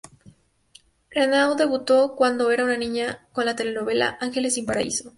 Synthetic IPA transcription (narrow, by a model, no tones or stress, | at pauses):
ɣɾanawd̪e̞βut̪o̞kwand̪o̞e̞ɾaunanĩɲakonlat̪e̞leno̞βe̞la̰ʔaŋxe̞le̞simpaɾaḭso